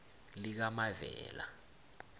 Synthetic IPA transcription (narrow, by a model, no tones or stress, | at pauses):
lik̬amavɛ̰ːla̰